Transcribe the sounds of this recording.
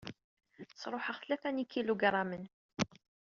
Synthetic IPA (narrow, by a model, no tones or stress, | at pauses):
sˤɾˤoħəʁθlæθænikːiluɡɾˤɑmən